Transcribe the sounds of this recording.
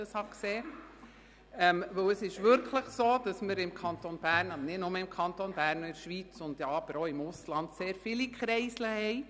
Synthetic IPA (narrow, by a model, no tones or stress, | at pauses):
əshɑkseː | ɛmʋɵwəsɪʃʋʏɾkʰləχsoːd̥ɑsməɾɪmkʰɑnt̪onb̥æːɾnɑbənɪdnʊməɪmkʰɑntonbæːɾnɪɾʃʋiːt͡sʊnd̥jɑɑb̥əɾoːɪmʊslɑndseːɾfɪlikχɾɛɪsləhɛɪ